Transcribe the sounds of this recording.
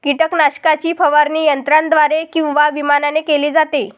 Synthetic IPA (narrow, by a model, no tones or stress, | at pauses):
kiʈəknaɕkat͡ɕiːpəʋaɾniːjənt̪ɾãnd̪ʋaɾekĩw̃ʋaʋimananekeliːd͡zat̪e